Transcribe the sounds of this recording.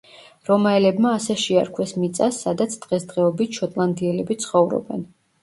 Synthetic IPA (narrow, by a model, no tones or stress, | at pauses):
ɾɔmaɛlɛbmaːsɛʃia̰ɾkʰwɛsmit̪sʼasːad̪at̪sʰd̪̥ʁɛsd̪ʁɛɔbit̪ʃɔt̪ʼlˠand̪iɛlɛbit̪sʰχɔvɾɔ̰bɛ̰n